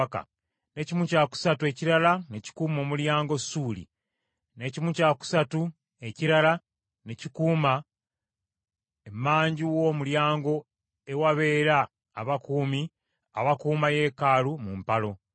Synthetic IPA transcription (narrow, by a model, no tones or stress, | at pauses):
ka̰ | ne̞cimucaːku̥satue̞ciɾalaneci̥kuːmo̞ːmuljaːŋɡo̞suːlḭ | ne̞cimucaku̥satu | e̞ciɾala | necikuːma | emaːɲɟiwo̞muljaːŋɡo̞ | ewaβe̞ːɾaː | βakuːmi | a̰βakuːmaje̞ːkalumumpalo̞